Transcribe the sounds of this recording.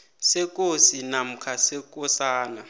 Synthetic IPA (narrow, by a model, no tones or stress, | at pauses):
sɛk̬ʼosinam̩kʰasɛk̬ʼɔsaːna